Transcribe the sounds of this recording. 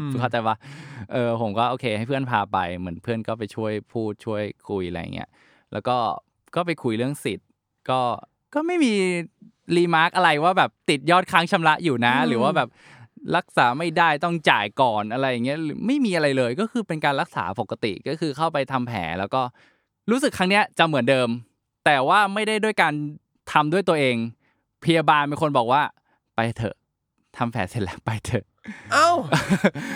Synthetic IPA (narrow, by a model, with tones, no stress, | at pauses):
kʰaː˥˩t͡ɕa˧jwa˦˥˩ʔɤː˧pʰo˩˦mkɔː˥˩ʔoː˧kʰeː˧ha˥˩jpʰɯ˥˩ənpʰaː˧pa̰˧jmɯ˩˦ənpʰɯ˥˩ənkɔː˥˩pa˧jt͡ɕʰu˥˩əjpʰuː˥˩t̪̚t͡ɕʰu˥˩əjkʰu˧jʔa˧a̰˧jːa̰˨˩ŋḭ˦˥ɐ | lɛ̰ː˦˥wkɔː˥˩ | kɔː˥˩pa˧jkʰu˧jlɯ˥˩əŋsi˨˩t̪̚ | kɔː˥˩ | kɔː˥˩ma˥˩jmiː˧ | liː˧maː˦˥k̚ʔa˧ɾa˧jwaː˥˩bɛː˨˩p̚t̪i˨˩t̪̚jɔː˥˩t̪̚kʰaː˦˥ŋt͡ɕʰa˧mɾa˦˥ʔjuː˨˩na˦˥ɾɯː˩˦waː˥˩bɛː˨˩p̚ | ɾa˦˥k̚saː˩˦ma˥˩jdaː˥˩jt̪ɔ˥˩ŋt͡ɕaː˨˩jkɔː˨˩nʔa˧ɾa˧jːŋːi˦˥ɐɾɯː˨˩˦ma˥˩jmiː˧ʔa˧ɾa˧jlɤː˧jkɔː˥˩kʰɯː˧pe˧nkaː˧nɾa˦˥k̚sa̰ː˩˦po˨˩ka˧t̪ḭ˨˩ʔkɔː˥˩kʰɯː˧kʰa˥˩wpa˧jt̪ʰa˧mpʰɛ̰ː˩˦lɛː˦˥wkɔː˥˩ | ɾuː˦˥sɯ˨˩kʰa˦˥ŋni˦˥ɐt͡ɕa˨˩mɯ˩˦əndɤː˧m | t̪ɛː˨˩waː˥˩ma˥˩jda˥˩jdu˥˩əjkaː˧n | t̪ʰa˧mdu˥˩əjt̪u˧ɐʔeː˧ŋ | pʰa˧ja˧baː˧nmiː˧kʰo˧nbɔː˨˩k̚waː˥˩ | pa˧jt̪ʰɤ̰˨˩ʔ | t̪ʰa˧mpʰɛ̰ː˩˦se˨˩lɛ˦˥˩pa˧jt̪ʰɤ˨˩ʔ | ʔa˧˥˩w